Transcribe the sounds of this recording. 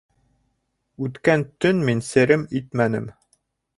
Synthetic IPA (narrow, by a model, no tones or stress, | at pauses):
ʉt̪kænt̪ɵnminsɘ̆ɾɘmit̪mænɘ̰m